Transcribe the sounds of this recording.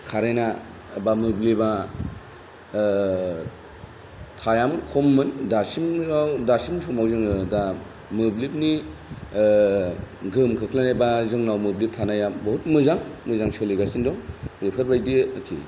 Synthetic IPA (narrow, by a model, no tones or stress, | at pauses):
kʰaɾejna | bamɯbliba | tʰajamɯnkʰɔmːɯndasimawdasimsʰɔmawzɯŋɯda | mɯblip̚ni | ɡɯmkʰɯkʰlanajbazɯŋnawmɯblip̚tʰanajabɔɦut̚mɯzaŋmɯzaŋsɔliɡasindɔŋɾepʰɯɾbajdiakʰḭ